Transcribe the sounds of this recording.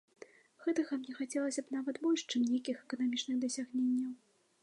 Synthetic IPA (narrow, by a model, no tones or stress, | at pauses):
ɣɛt̪ɐɣɐmnʲɛxat͡sʲɛlˠɐsʲɐbnavɐt̪bɔlʲʂt͡ʂɨmnʲejkʲixɛkɐnamʲit͡ʂnɨɣd̪ɐsʲaɣnʲenʲːɐw